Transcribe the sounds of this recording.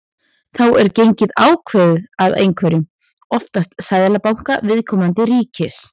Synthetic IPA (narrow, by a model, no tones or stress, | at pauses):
θawɛɾcejɲcɪðaːwkʰvɛːðʏaðḛjŋkʰvɛːɾʏ | ɔft̪ast̪sajðɛlapawŋ̥kavɪðkʰɔːmant̪ɪɾiːcɪs